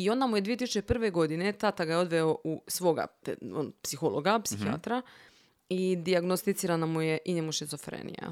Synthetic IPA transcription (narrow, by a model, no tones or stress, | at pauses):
io̞nd̪amujeʋieisut͡ʃe̞pr̩ʋe̞ɡo̞d̪ine̞t̪at̪aɡajo̞d̪ʋe̞oʔusʋo̞ɡa̰po̰npsixoloɡapsixia̰t̪ɾa | id̪iaɡnost̪it̪siːɾanamujeʔiɲemuʃizofɾḛːnḭja̰